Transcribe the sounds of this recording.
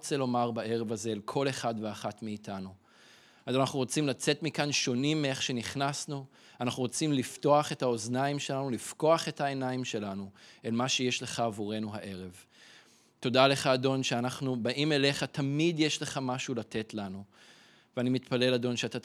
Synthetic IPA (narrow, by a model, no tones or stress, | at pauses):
t͡se̞lo̞maʁbaʔe̞ʁe̞vazeːlkʰo̞le̞χadveaχatmiːtʰanu | azanaχnuʁot͡simlat͡se̞tmikanʃo̞nimːee̞χʃe̞niχnasnu | anaχnuʁot͡simlifto̞aχe̞thao̞znaimʃe̞lanulifko̞aχe̞tʰae̞naimʃe̞lanuelmaʃe̞jeʃle̞χaːvuʁe̞nuɦaʔe̞ʁe̞v | to̞dale̞χaːdo̞nʃeanaχnubaʔime̞le̞χatamid̪jeʃle̞χamaʃulate̞tlanu | veanimit̪pale̞lado̞nʃeata